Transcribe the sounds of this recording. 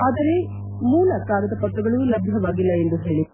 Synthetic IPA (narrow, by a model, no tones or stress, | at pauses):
aːd̪ɐɾe̞ | muːlɐkaːɾɐd̪ɐpɐʈːɐɡɐɭulɐbʱjɐʋaːɡilːɐe̞nd̪uɦeːɭi